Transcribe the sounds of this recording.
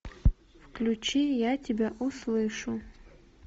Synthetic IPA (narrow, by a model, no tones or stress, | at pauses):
fklʲut͡ʃʰijatʲibʲaʔuslˠɨʂu